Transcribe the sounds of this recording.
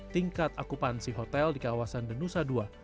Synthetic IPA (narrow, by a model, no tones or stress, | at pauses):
t̪iŋkat̪akupansiɦot̪ɛldikawasandənusadua